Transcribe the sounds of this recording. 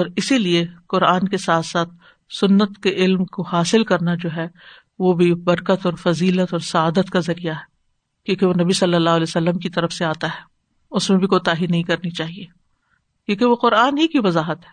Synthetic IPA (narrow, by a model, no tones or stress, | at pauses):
ɔːɾɪsilieqʊɾaːnkesaːt̪saːt̪̚ʰ | sʊnːət̪keʔɪlmkohaːsɪlkɐɾnad͡ʒoːɦɛ | ʋobʱibɐɾkət̪ɔːɾfɐziːlət̪ɔːɾsɐaːd̪ət̪kazɐɾijaɦɛ | kjõːkeʋonɐbisɐlːəlːaːɦlɛːsɐlːəmkit̪ɐɾəfseaːt̪aɦɛː | ʊsmẽbʱikoːt̪aːɦinɐɦĩkɐɾnit͡ʃaːɦieː | kjõːkeʋoqʊɾaːnɦikiʋɐzaːɦət̪ɦɛ̥ː